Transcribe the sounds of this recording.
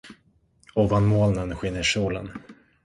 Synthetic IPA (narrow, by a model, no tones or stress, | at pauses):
ɔvanmoːlnənɧɪnːəʂuːlə̰n